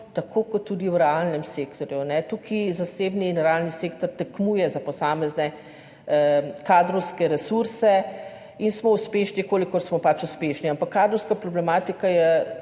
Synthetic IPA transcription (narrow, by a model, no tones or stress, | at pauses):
t̪akʰoːkɔt̪ːuːd̪iwɾɛalnɛmsekt̪ɔɾjunɛt̪ukʰizaseːbniːnɾɛalniseːkt̪ɔɾt̪ɛkmuːjɛzapɔsaːmɛznɛ | kaːd̪ɾɔwskɛɾɛsuɾsɛ | insmɔuspeːʃnikoːlikɔɾsmɔpat͡ʃuspeʃniampakːaːd̪ɾɔwskapɾɔblɛmaːt̪ikajɛ